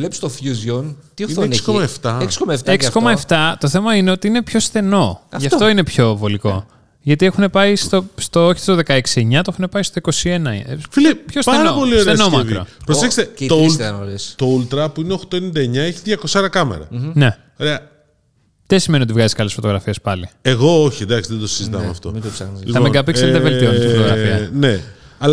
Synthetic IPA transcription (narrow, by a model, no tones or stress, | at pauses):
lepst̪ofjuzjont̪ionsikomɐeft̪ɐeksi̥komɐft̪ekssikomɐeft̪ɐt̪o̞θe̞mɐine̞o̞t̪iinepço̞sθe̞no̞ʝɐft̪o̞ine̞pço̞vo̞liko̞ | ʝɐt̪iexune̞pɐist̪o̞st̪ooçi̥st̪oðekɐeksieɲɐt̪oexune̞pɐist̪o̞iko̞sienɐfilepçospɐeɾnɐopo̞lioɾeeɐsnomɐvkiɾopɾoeçest̪et̪onoɾest̪oult̪ɾɐpuineoxt̪oenind̪ɐeɲɐeçiðʝɐkosoɾɐkɐmḛɾɐ̰ne̞ | oɾeɐ | ð̥esimenio̞t̪ivɣɐziskɐlesfot̪oɣɾɐfiespɐlieɣo̞oçind̪ɐksiðed̪osizit̪ɐ̰mḛɐ̰ft̪o̰mid̪psɐxnizliɐmeɡɐpikseðevelt̪ionet̪ifot̪oɣɾɐ̰fiɐne | ɐl